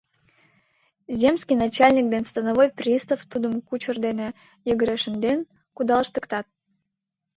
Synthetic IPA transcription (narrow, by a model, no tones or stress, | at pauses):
zʲemsʲkʲijnat͡ɕalʲnʲik̚d̪enst̪ənavojprʲist̪əft̪ud̪əmkut͡ɕərd̪ene | jəɡəɾʲeʃənd̪en | kud̪ɑlˠəʃt̪əkt̪ɑt̪̚